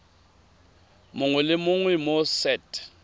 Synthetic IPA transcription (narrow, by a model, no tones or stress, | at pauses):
mʊŋwɛlɪmʊŋwɛmosɛtʼ